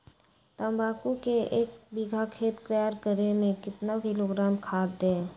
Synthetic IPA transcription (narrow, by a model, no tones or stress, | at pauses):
t̪ə̃mbaːkukeeːkbiɡʱakʰeːt̪kɾjaːɾkəɾemẽkɪt̪nabʱiloɡɾaːmkʰaːd̪d̪eː